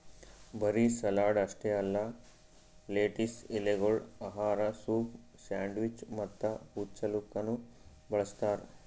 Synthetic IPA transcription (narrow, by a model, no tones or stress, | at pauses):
bɐɾisɐlaːɖɐʂʈeɐlːɐ | leːʈisʈileɡoɭɐɦaːɾɐsuːp | saːɳɖʋit͡ʃmɐt̪ːɐhut͡ʃɐlukːɐnu | bɐɭɐst̪aːɾe